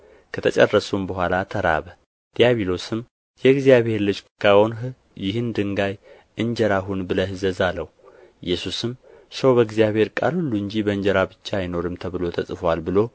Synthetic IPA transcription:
kʰət̪ʰət͡ʃʼərːəsumbəɦʷalat̪ʰəɾa̰βə | d̪̥ijaβilo̞sɨm | jɛɡzijaβhe̞ɾlɨt͡ʃʼkʰawon | jɪhɨnd̪ɨŋɡaj | ʔɨɲd͡ʒəɾaɦunbɨləhɨzəzalːəwuɪjːɛsusɨmsəwbəɡzijaβhe̞ɾkʼa̰lhulːuɨɲd͡ʒibəɨɲd͡ʒəɾabɨt͡ʃːajɪno̞ɾɨmt̪ʰəβɨlo̞t̪ʰəsʼfwalbɨlo̞

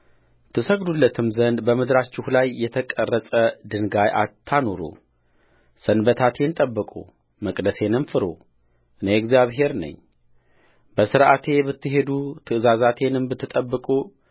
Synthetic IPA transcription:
t̪ʰɨsəɡd̪ulːət̪ʰɨmzənd̪bəmɨd̪ɾat͡ʃːɪhulajːɛt̪ʰəkʼərːəsʼəd̪ɨnɡajʔa̰t̪ʰːano̞ɾo̰ | sɨnbət̪ʰat̪ʰe̞nt̪ʼəbːɨkʼṵ | məkʼd̪əse̞nɨmfɨɾo̰ | ɨneɛɡzijaβɦe̞ɾnə̰ɲː | bəsɨɾʔat̪ʰe̞bɨt̪ːɨɦe̞d̪ut̪ʰɨʔɨzazat̪ʰe̞nɨmbɨt̪ʰːɨt̪ʼəbːɨkʼu

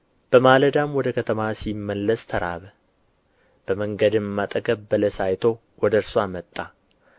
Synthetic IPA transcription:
b̥əmaləd̪amwɔd̪əkʰət̪ʰəmasimːəlːəst̪ʰəɾa̰βə | b̥əməŋɡəd̪ɨmːat̪ʼəɡəbbələsajt̪ʰo̞ | wɔd̪əɨɾsoamət̪ʼːa

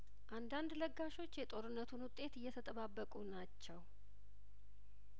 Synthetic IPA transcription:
ʔand̪and̪ləɡːaʃo̞t͡ʃːjɛt̪ʼo̞ɾɨnːət̪ʰunwʊt̪ʼːe̞t̪ɨjːɛt̪ʰət̪ʼəβabːəkʼunat͡ʃːɛw

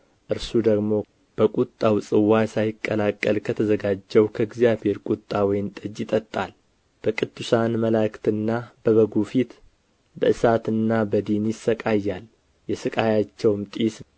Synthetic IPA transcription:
ʔɨɾsud̪əɡmo̞ | b̥əkʷʼut̪ʼːawsʼɨwasajɪkʼːəlakʼːəlkʰət̪ʰəzəɡad͡ʒːɛwkʰəɡzjaβhe̞ɾkʷʼut̪ʼːawɔjɪmt̪ʼəd͡ʒɪt̪ʼət̪ʼːal | b̥əkʼɨd̪ːusanməlakt̪ɨnːab̥əβəɡufit̪ | bəʔɨsat̪ɨnːabəd̪injɪsːəkʼajːal | jɛsɨkʼajat͡ʃːɛwmt̪ʼis

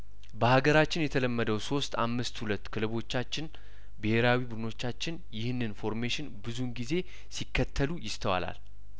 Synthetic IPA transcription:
bəhaɡəɾat͡ʃːɪnjɛt̪ʰələmːəd̪əwso̞st̪a̰mːɨst̪hulət̪ːkʰɨlɨβo̞t͡ʃːat͡ʃːɪn | bɨhe̞ɾawibud̪ɨno̞t͡ʃːat͡ʃːɪnjɪhɨnːɨnfo̞ɾmeʃɪnbɨzunɡize̞ | sikːət̪ʰːəlujɪst̪ʰəwa̰la̰l

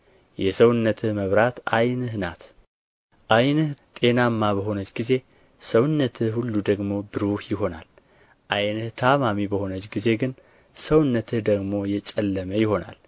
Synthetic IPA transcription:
jɛsəwɨnːət̪ʰɨhməβɾat̪a̰jnɨhnat̪ | ʔajnɨht̪ʼe̞namːaβəɦo̞nət͡ʃːɡize̞ | səwɨnːət̪ʰɨhulːud̪əɡmo̞bɨɾohjɪɦo̞na̰l | ʔajnɨht̪ʰamamibəho̞nət͡ʃːɡize̞ɡɨn | səwɨnːət̪ʰɨhd̪əɡmo̞jɛt͡ʃʼɛlːəməjɪho̞na̰l

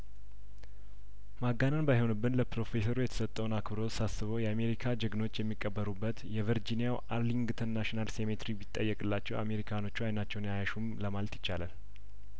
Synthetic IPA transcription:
maɡanənbajho̞nɨbːɨnləpɾo̞fe̞səɾujɛt̪ʰə̥sət̪ʼːəwnakbɨɾo̞sasɨβəwjɛame̞ɾikʰad͡ʒəɡno̞t͡ʃːjɛmːikʼːəbːəɾubːət̪jɛvəɾd͡ʒinijawʔaɾliŋɡɨt̪ʰənaʃinalse̞met̪ɾibit̪ʼːəjːɛkʼɨlːat͡ʃːɛwa̰me̞ɾikʰano̞t͡ʃːuajnat͡ʃːɛwnjajaʃumləmalt̪jɪt͡ʃːalal

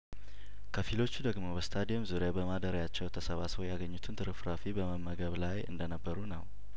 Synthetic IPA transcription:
kʰəfilo̞t͡ʃːud̪əɡmo̞bəst̪ʰad̪ijɛmzuɾjabəmad̪əɾjat͡ʃːɛwt̪ʰəsəβaswjaɡəɲːut̪ʰɨnt̪ʰɨɾɨfɾafibəməmːəɡəβlajɨ̰nd̪ənəbːəɾunəw

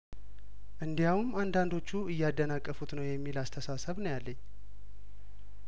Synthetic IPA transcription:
ʔɨnd̪ijawumand̪and̪o̞t͡ʃːuɨjːɛad̪ːənakʼːəfut̪nəwjɛmːilast̪ʰəsasəβnəwjalːəɲː

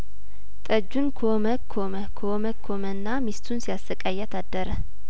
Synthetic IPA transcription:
t̪ʼəd͡ʒːunkʰoməkʰoməkʰooməkʰːomənːamist̪ʰunsijasəkʼajːɛt̪ʰad̪ːəɾə

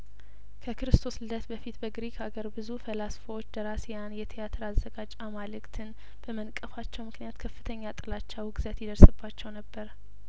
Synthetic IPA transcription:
kʰəkɨɾɨst̪ʰo̞slɨlət̪bəfit̪bəɡɾikʰaɡəɾbɨzufəlasfəwot͡ʃːd̪əɾasjanjɛt̪ʰijat̪ʰɨɾazːəɡat͡ʃʼamalɨkt̪ʰɨn | b̥əmənkʼəfat͡ʃːɛwmɨknijat̪kʰəfːɨt̪ʰəɲːat̪ʼɨlat͡ʃːawɡɨzət̪jɪd̪əɾsɨbːat͡ʃːɛwnəbːəɾ

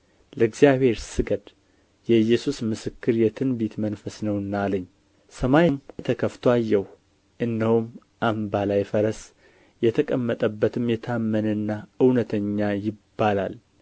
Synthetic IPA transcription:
ləɨɡzijaβhe̞ɾsɨɡəd̪ | jɛɨjːɛsusmɨsɨkːɨɾjɛt̪ʰɨnbit̪mənfəsnəwnːaləɲː | səmajmt̪ʰəkʰəft̪ʰoajːɛw | ʔɨnːəhum | ʔambalajfəɾəs | jɛt̪ʰəkʼəmːət̪ʼəbːət̪ʰɨmjɛt̪ʰamːənənːaɨwnət̪ʰəɲːajɪbːalal

